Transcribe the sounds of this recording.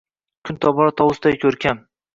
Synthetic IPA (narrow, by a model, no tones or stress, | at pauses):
kʰʊnt̪ʰɒbɒɾɒt̪ʰɒwʊsd̪ajkʲʰɵɾkʲʰam